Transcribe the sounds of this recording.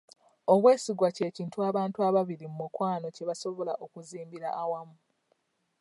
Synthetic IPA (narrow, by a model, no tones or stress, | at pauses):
o̞βwe̞ːsiɡwace̞ːciːntuaβaːntuaβaβiɾimumukwaːno̞ce̞βaso̞βo̞laʔokuziːmbiɾaʔːwamu